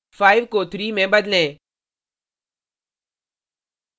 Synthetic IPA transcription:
faːɪʋkoːt̪ɾimẽbɐd̪lẽː

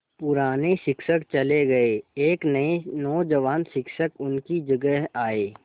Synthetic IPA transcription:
pʊɾaːneʃɪkʃəkt͡ʃɐleɡɐeeːknɐenɔːd͡ʒɐʋaːnʃɪkʃəkʊnkid͡ʒəɡəɦaːeː

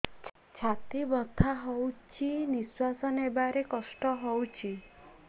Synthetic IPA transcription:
t͡ʃʰ | t͡ʃʰat̪ibɔt̪ʰaɦowt͡ʃʰiniswasɔnebaɾekɔsʈɔɦowt͡ʃʰi

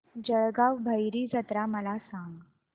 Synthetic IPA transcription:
d͡ʑəɭɡaʋbʱəjɾiːd͡zət̪ɾaməlasãŋɡ

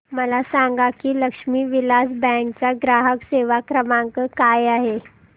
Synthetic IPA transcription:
məlasãŋɡakiːləkʂmiːʋilasbɛ̃ŋk̚t͡saɡɾaɦəkseʋakɾəmãŋkəkajaɦe

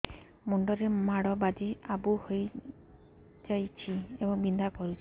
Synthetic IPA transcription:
mɔɳɖɔɾemaɽɔbad͡ʒiabuhoj | d͡ʒajt͡ʃʰiebɔŋbind̪ʱakɔɾut͡ʃʰi̥

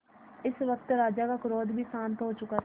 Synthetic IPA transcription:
ɪsʋək̚t̪ɾaːd͡ʒaːkakɾoːd̪bʱiːsãːnt̪ɦoːt͡ʃʊkaː

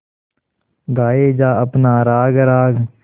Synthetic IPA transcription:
ɡaːeːd͡ʒaːəpnaːɾaːɡɾaːɡ

